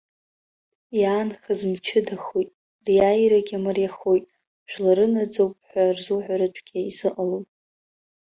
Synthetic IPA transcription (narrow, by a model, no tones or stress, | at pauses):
jaːnχazmt͡ʃʰɪdaχojtʼ | rjajɾaɡʲamarjaχojtʼ | ʒᶣlaɾɨnad͡zowpʼħʷᶣarzuħʷaɾɨt͡ʃʷʼʰɡ̥ʲiizɨqʼalowpʼ